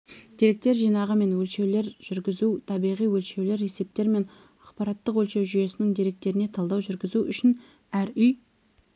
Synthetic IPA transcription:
d̪̥eɾe̞k̚t̪e̞ɾʒijnɑʁəme̞nwɵlʃe̞wle̞ɾʒ̥ʏɾɡʲɪzut̪ʰɑbijʁijwɵlʃe̞wle̞ɾe̞se̞p̚t̪e̞ɾme̞n | ɑqpɑɾɑt̪ːəqwɵlʃe̞wʒʏje̞sɪnɪŋd̪eɾe̞k̚t̪e̞ɾɪne̞t̪ʰɑlˠd̪ɑwʒʏɾɡʲɪzuʏ̰ʃɪn | æɾʏj

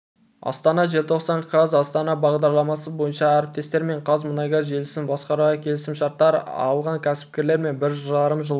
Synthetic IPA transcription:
ɑ̰st̪ɑnɑʒelt̪ʰo̞qsɑɴkʰɑzɑst̪ɑnɑbɑʁd̪ɑɾlˠɑmɑsəbo̞jənʃɑæɾɪp̚t̪e̞st̪e̞ɾme̞ɴqʰɑzmənɑjɡɑʒe̞lɪsɪmbɑsqɑɾʁɑkʲʰe̞lɪsɪmʃɑɾt̪ːɑɾɑ̰lˠʁɑŋkʲʰæsɪ̥p̚kʲe̞ɾle̞ɾme̞nbɪɾʒɑɾəmʒəlˠ

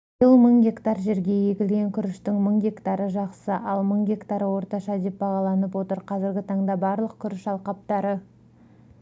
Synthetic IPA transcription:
ʒəlˠməɴɡʲe̞kt̪ɑɾʒe̞ɾɡʲe̞je̞kʲɪlɡʲe̞ŋkʲʰʏɾɪʃt̪ɪŋməɴɡʲe̞kt̪ɑɾəʒɑqsəʔɑlˠməɴɡʲe̞kt̪ɑɾəwo̞ɾt̪ɑʃɑd̪e̞p̚bɑʁɑlˠɑnəp̬wo̞t̪əɾqʰɑzɪɾɡʲɪt̪ʰɑɴd̪ɑbɑɾlˠəq̚kʲʰʏɾɪʃɑlˠqɑp̚t̪ɑɾə

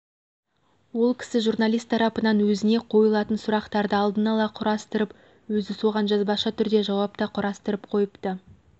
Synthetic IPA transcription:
wo̞lˠkʲʰɪ̥sɪʒurnɑlˠijst̪ʰːɑɾɑpənɑnwɵzɪne̞qʰo̞jəlˠɑt̪ənsʊɾɑqt̪ɑɾd̪əɑlˠd̪ənɑlˠɑqʰʊɾɑst̪əɾəp | wɵzɪso̞ʁɑnʒɑzbɑʃɑt̪ʰʏɾd̪e̞ʒɑwɑp̚t̪ɑqʰʊɾɑst̪əɾəpqʰo̞jəpt̪ə

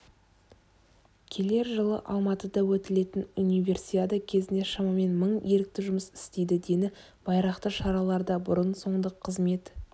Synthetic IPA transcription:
kʲʰe̞le̞ɾʒəlˠə̰ʔɑlˠmɑt̪əd̪ɑwɵt̪ɪle̞t̪ɪnunijvʲe̞rsiad̪əkʲʰe̞zɪnd̪eʃɑmɑme̞nməɴe̞ɾɪk̚t̪ɪʒʊməsɪ̥st̪e̞jd̪ɪd̪e̞d̪ɪ | b̥ɑjɾɑqt̪əʃɑɾɑlˠɑɾd̪ɑbʊɾənso̞ɴd̪əqʰːəzme̞t̪

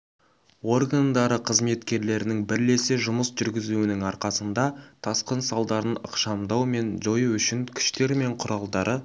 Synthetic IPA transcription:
wo̞rɡand̪ɑɾəqʰəzme̞t̪kʲe̞ɾle̞ɾɪnɪŋbɪɾle̞sɪʒʊməsʒ̥ʏɾɡʲɪzuwɪnɪŋɑɾqɑsənd̪ɑt̪ʰɑsqənsɑlˠd̪ɑɾənə̰qʃɑmd̪ɑwme̞nʒo̞juʏʃɪŋkʲʰɪ̥ʃt̪e̞ɾme̞ɴqʰʊɾɑlˠd̪ɑɾʔə

